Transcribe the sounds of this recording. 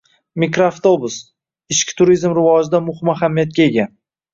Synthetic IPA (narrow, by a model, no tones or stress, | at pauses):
mikɾoaft̪obʊs | ɪʃkʲɪ̥t̪ʰʊɾizmɾɪvɒd͡ʒɪd̪amʊhɪmaɦamːijat̪̚kʲae̞ɡʲan